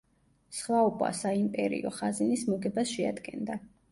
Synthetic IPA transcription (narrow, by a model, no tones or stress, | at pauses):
sχwaɔpʼa̰saimpʼɛɾḭɔ̰χazinismuɡɛbasʃɛa̰d̪ɡɛnd̪a